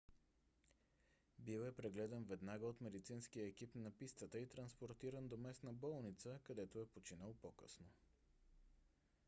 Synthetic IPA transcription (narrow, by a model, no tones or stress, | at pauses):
bilɛpɾɛɡlɛd̪ɛnvɛd̪naɡəot̪mɛd̪it̪sinskijəɛk̟ipnɐpist̪ət̪əit̪ɾɐnspoɾt̪iɾənd̪omɛsnəbɔlˠnit̪səkɐd̪ɛt̪oɛpot͡ʃinəlˠpokə̰sno